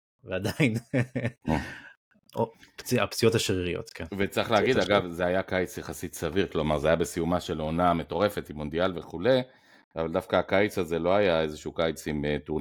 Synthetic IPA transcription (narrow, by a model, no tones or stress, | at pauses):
vead̪ain | opt͡sia̰pt͡sijot̪aʃʁiʁio̰t̪kʰenvet͡sʁiχleaɡiddaɡavzeajakajt͡sjaχasit̪saviʁklo̞maʁzeajabe̞sijumaʃe̞lo̞name̞t̪o̞ʁe̞fe̞t̪imond̪ialve̞χule̞ | avald̪afkaːkajit͡saze̞lo̞ajae̞zeʃukajit͡simet̪uʁ